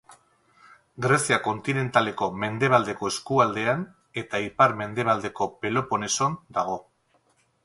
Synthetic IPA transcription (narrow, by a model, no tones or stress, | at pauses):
ɡɾe̞siako̞nt̪ine̞nt̪ale̞ko̞me̞nd̪e̞β̞ald̪e̞ko̞e̞skuald̪e̞an | e̞t̪aipaɾme̞nd̪e̞β̞ald̪e̞ko̞pe̞lo̞po̞ne̞so̞nd̪aɣ̞o̞